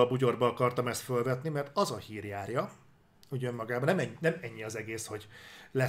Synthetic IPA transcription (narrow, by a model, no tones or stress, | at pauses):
ɒbuɟo̞rbɒɒkɒrt̪ɒmɛst̪følvɛt̪nimɛrt̪ɒzɒhiːrjaːrjɒ | uɟømːɒɡaːbɒnɛmɛɲːnɛmɛɲːiɒzɛɡeːsho̞ɟlɛ